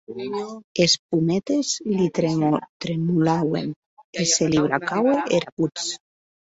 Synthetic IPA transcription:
esp̚umet̪ezlit̪ɾt̪ɾemulawḛn | eseliβɾakaweʔeɾut͡s

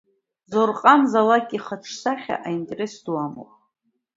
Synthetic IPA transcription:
zorqʼamzalakʼiχaʈ͡ʂʰsaχʲa̰ʔaintʼeresdwamo̰wpʼ

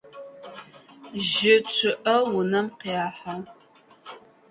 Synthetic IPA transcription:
ʒɪt͡ʃʷʰɪʔɐwʊnɐmqiaːħa

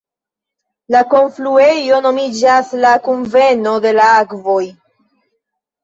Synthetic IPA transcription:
lako̞nflue̞jo̞no̞mid͡ʒaslakunve̞no̞de̞laakvo̞j

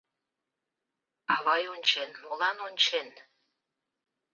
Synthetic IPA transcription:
ɑβɑjonʲt͡ɕenmolɑnonʲt͡ɕen

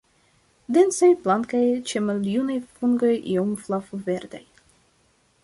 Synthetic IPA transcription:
d̪ensajplaŋkajt͡ʃemaljunajfuŋɡojʔḭomflafuveɾd̪aj

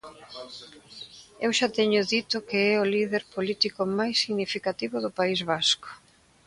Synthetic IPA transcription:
ewʃat̪ɛɲʊðit̪ʊkeɛʊliðeɾpolit̪ikʊmajsːiɣnifikat̪iβʊðʊpaizβasko̥

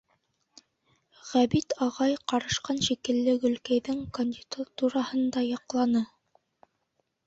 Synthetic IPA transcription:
ʁæβit̪ɑʁɑjqɑɾɤ̆ʃqɑnʃikɘ̆lːɘɡɵ̆lkæjðɘŋkonʲd̪ʲid̪at̪uɾɑhɤnd̪ɑjɑqlˠɑnɤ

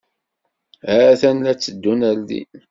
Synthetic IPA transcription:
hæθænlæt͡sːəd̪ːunældḭn

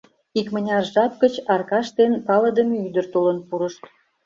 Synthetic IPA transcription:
ikmə̆nʲɑrʒɑp̚kət͡ɕɑrkɑʃt̪enpɑlə̆d̪əmeyd̪ərt̪olənpuɾəʃt̪

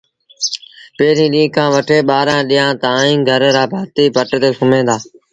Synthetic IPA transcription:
peːɾĩːɗĩːkʰãːʋəʈʰeːɓaːɾãːɗiːãːt̪aːĩːɡʱəɾɾaːbʱaːt̪iːpəʈt̪eːsʊmẽːd̪aː

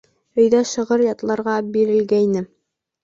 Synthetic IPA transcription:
ɵ̆jðæʃɤ̆ʁɤɾjɑt̪lˠɑɾʁɑbiɾɘ̆lɡæjnɘ

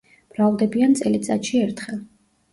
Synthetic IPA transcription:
b̥ɾavd̪ɛbiant̪sʼɛlit̪sʼa̰t̪ʃiɛɾt̪ʰχɛlˠ

